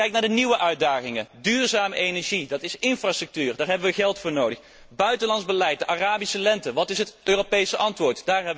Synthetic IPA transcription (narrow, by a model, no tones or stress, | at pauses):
kɛjk̚naːɹdəniʋəʔœɥ̚daːχɪŋədyːɹzaːməʔejnɛɹʒidɑtɪsɪnfrastrɵk̚tyːrdaːɹɦɛbəʋəɣɛlˠtfʊːɹnowdəχ | bœɥtəlɑndzbəlɛjt̚dəʔaraːbisəlɛntəʋɑtɪsɦətøːropejsəʔɑntʋʊːɹtdaːɹɦɛbə